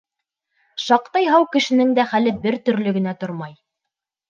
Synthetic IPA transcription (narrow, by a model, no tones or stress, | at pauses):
ʃɑqt̪ɑjɦɑwkɘ̆ʃɘ̆nɘŋd̪æχælɘbɘɾt̪ɵ̆ɾlɵɡɘ̆n̪æt̪oɾmɑj